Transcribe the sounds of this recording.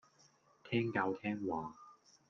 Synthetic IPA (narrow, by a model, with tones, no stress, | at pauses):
t̪ʰɛː˥ŋka˧wt̪ʰɛː˥ŋwaː˨